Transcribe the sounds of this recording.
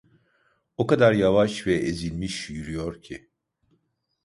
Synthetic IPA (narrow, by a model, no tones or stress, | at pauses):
okad̪aɾjavaʃvɛʔezilʲmiʃjyɾyjo̞ɾcʰi